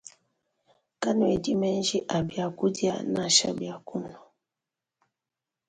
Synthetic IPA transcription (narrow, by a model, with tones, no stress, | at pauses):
ka˦nu˨e˨di˦mɛ˦n˦d͡ʒi˦ʔa˨bi˨a˨ku˦di˦a̰˨na˨ʃa̰˨bi˨a˨ku˦n˦ɔ˨